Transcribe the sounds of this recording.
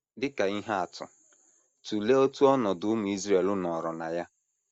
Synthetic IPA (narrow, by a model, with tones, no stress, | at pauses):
dɪ˦ka˨i˦ɦa˦a˨tʰʊ̰˨ | tu˨le˦o˦tu˦ɔ˦nɔ˨dʊ˨˦ʊ˦mʊ˨i˦zɾe˨lʊ˦nɔ˨ɾɔ˨na˨ja˦